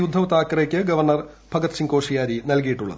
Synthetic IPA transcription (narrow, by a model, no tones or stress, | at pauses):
jud̪ʱːɐʋt̪aːkːɐrekʲːɨɡɐʋɐrɳɐrbʱɐɡɐt̪ːsiŋko̞ːʂɐjaːɾinɐlkijiʈːuɭːɐ̰ðɨ